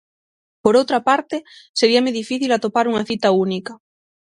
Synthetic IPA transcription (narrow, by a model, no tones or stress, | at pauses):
poɾowt̪ɾapaɾt̪eseɾiameðifiθilat̪opaɾuŋaθit̪aunikɐ